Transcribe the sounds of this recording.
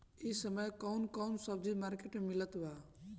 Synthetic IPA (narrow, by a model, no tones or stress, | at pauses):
isəməjkɔʊnkɔwnsəbd͡ʒimaɾkeʈmmilət̪ba